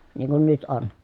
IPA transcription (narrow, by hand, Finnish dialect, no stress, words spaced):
niːŋ kun nyt on